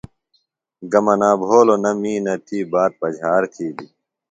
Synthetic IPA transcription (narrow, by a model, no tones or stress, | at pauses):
ɡɐmɐnãːbʱoːlonɐmiːnɐt̪ʰiːbaːt̪̚pɐd͡ʑʱaːɾt̪ʰiːb̪i